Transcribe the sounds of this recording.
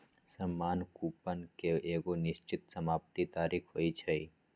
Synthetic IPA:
səmːaːnkuːpənkeʔeːɡonɪʃt͡ʃɪt̪̚səmaːpt̪it̪aːɾiːkʰɦoːit͡ʃʰɐi

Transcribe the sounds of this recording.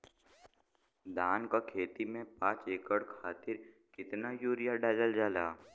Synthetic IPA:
d̪aːnkakʰeːt̪imẽpãːt͡ʃeːkəɽkʰaːt̪ɪɾ | kɪt̪najuːɾɪjaɖaːləld͡ʒaːlaː

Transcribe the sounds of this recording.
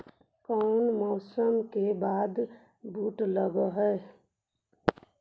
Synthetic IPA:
kɔːnmɔːsəmkebaːd̪ | buːʈləɡoɦɛ

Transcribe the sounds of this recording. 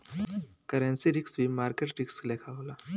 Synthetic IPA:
kəɾə̃nsiɾiksbʱiːmaɾkeʈɾikslekʰaʋla

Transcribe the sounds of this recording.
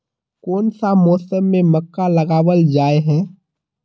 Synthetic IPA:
kɔːnsamɔːsəmːẽmɐkːalɐɡaːwəld͡ʒaːeɦɛ̃ː

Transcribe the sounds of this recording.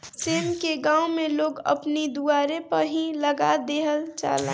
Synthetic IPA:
seːmkeɡãːʊmẽloːɡə̰pnid̪uaːɾepəɦĩləɡad̪eːɦəlt͡ʃa̰ːlḛː

